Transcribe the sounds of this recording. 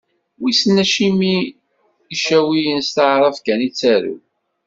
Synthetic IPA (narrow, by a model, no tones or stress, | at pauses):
wisnːæʃimi | iʃæwijənst̪aʕɾˤəfkænit͡sːæɾṵ